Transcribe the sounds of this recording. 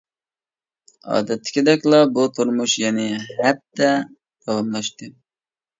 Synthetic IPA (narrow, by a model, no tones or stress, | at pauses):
ɑ̰ːd̪ɛt̪ʰːɪ̥kʲid̪ɛkʲlˠɑbut̪ʰuɾmuʃjɛnɪhæp̚t̪ːɛ | t̪ʰɑlɑmlˠɑʃt̪ɨ